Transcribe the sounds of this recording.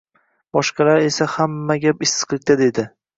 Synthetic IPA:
b̥ɒʃqɑlaɾe̞sahamːaɡʲapɪsɨ̥qlɪk̚ʲt̪ʰad̪e̞d̪ɪ

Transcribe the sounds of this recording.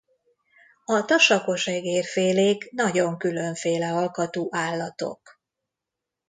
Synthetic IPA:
ɒt̪ɒʃɒko̞ʃɛɡeːrfeːleːknɒɟo̞ŋkylø̞ɱfeːlɛɦɒlkɒt̪oːʔaːlːɒt̪o̞̰k

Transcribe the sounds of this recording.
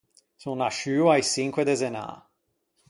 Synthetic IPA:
sũwnaʃywajsiŋkʷwed̪ezena̰

